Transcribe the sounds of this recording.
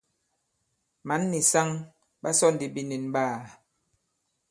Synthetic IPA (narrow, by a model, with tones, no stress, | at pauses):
ma˨˦nːi˨sa˦ŋ | ɓa˦sɔ˦˨n˨di˨bi˨ni˨nɓaː˦˨